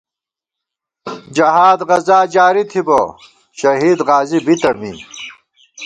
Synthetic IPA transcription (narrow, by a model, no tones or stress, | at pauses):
d͡ʑɐɦaːd̪ʁɐzaːd͡ʑaːɾit̪ʰibo̰ | ɕɐɦiːd̪ʁaːzibit̪ɐmḭ